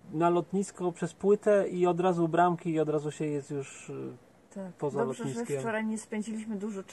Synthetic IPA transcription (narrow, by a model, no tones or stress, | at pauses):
nalɔt̪ɲiskɔpʂɛspwɘt̪ɛiɔd̪ɾazubɾamkʲiːɔd̪ɾazuɕɛjɛst̪juʂ | t̪akpɔzalɔt̪ɲikʲɔɾajɲɛspɛɲd͡ʑilʲiɕmɘd̪uʐɔ